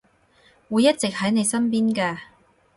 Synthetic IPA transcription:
wuː˨˧jːɐ˥t̚t͡sɪ˨k̚hɐ˨˥jne˨˧jsɐ˥npiː˥nkɛː˧

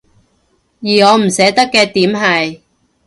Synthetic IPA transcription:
jiː˨˩ŋɔː˨˧m̩˨˩sɛː˨˥t̪ɐ˥kːɛː˧t̪iː˨˥mɦɐ˨j

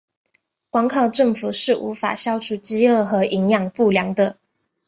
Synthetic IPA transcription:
kwɑ˥ŋkʰɑ˥˧ʊʈ͡ʂɤ˥˩ŋfu˨˩ʂɻ̩˥˩ʔṵ˧˥fa̰˨˩ɕjɑ˥ʊʈ͡ʂʰu˨˩t͡ɕi˥ə˥˩xɤ˧˥ʔi˧˥ŋjɑ˥˩ŋpu˥˩ljɑ˧˥ŋd̪ə˧

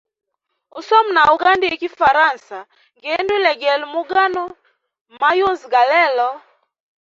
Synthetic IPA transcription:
u˦sɔ˦mna˨u˨ɡa˦ndi˦e˦˨ki˦fa˨ɾa˦˨nsa˨ | ŋɡe˦ndwi˦lɛ˨ɡɛ˨lmu˦ɡa˦nɔ˦ | ma˦jʊ˦nzɡa˨lɛ˦˨lɔ˦

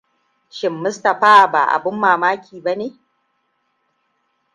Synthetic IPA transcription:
ʃɪ˨mːʊ˦stɐ˨ɸaː˦˨ba̰ː˨ʔa̰˨bʊ˦mːaː˨maː˦kʲʰiː˨ba˦neː˨

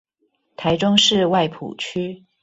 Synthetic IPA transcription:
t̪ʰa˧˥ɪʈ͡ʂʊ˥ŋʂɻ̩˥˧wa˥˩ɪpʰṵ˨˩t͡ɕʰy˥

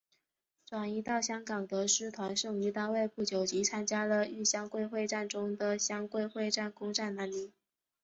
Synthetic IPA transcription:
ʈ͡ʂwa˨˩ni˧˥t̪ɑ˥˩ʊɕjɑ˥ŋkɑ˨˩ŋt̪ə˧˦ʂɻ̩˥t̪ʰwa˧˥nʂɤ˥˩ŋy˧˥t̪a˥˧we˥˧ɪpu˥˩t͡ɕjo˨˩ʊt͡ɕi˧˥t͡sʰa˥nt͡ɕja˥lə˨y˥˩ɕjɑ˥ŋkwe˥˧ɪxwe˥˧ɪʈ͡ʂa˥˩nʈ͡ʂʊ˥ŋd̪ə˨ɕjɑ˥ŋkwe˥˧ɪxwe˥˧ɪʈ͡ʂa˥˩nkʊ˥ŋʈ͡ʂa˥˩nna˧˥nli˧˥n

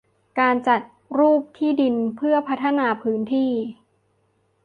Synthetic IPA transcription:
kaː˧nt͡ɕa˨˩t̪̚ | ɾuː˥˩p̚t̪ʰiː˥˩di˧npʰɯ˥˩ɐpʰa˦˥t̪ʰːa˧naː˧pʰɯː˦˥nt̪ʰiː˥˩

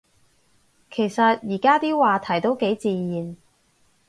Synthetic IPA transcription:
kʰe˨˩jsɐ˨t̚jiː˨˩kaː˥t̪iː˥waː˨t̪ʰɐ˨˩jt̪o˥wke˨˥jt͡siː˨˧jiː˨n

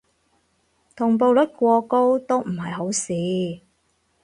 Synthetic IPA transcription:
t̪ʰʊ˨˩ŋpo˧wlɐ˨˥t̚kʷɔː˧ko˥wt̪o˥wm̩˨˩hɐ˨jɦo˨˥wsiː˨˥

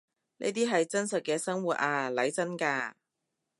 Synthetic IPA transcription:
nḛ˥t̪iː˥ɦɐ˨jt͡sɐ˥nsɐ˨t̚kɛː˧sɐ˥ŋwuː˨t̚ʔaː˧lɐ˨˥jt͡sɐ˥nkaː˧

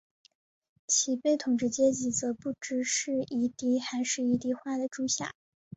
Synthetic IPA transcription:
t͡ɕʰi˨˩pe˥˩ɪt̪ʰʊ˨˩ŋʈ͡ʂɻ̩˥t͡ɕjɛ˥t͡ɕi˧˥t͡sɤ˧˥pu˥˩ʈ͡ʂɻ̩˧˥ʂɻ̩˥˩i˧˥t̪i˥xa˧˥ɪʂɻ̩˥˩i˧˥t̪̬i˧˥xwa˥˩d̪ə˩ʈ͡ʂu˥ɕja̰˥˩˦

